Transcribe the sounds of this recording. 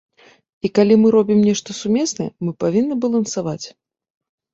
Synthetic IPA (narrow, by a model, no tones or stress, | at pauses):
ikalʲimɨɾɔbʲimnʲɛʂt̪ɐsumʲɛsnɐjɛ̰mɨpavʲinːɨbɐlˠɐnsavat͡sʲ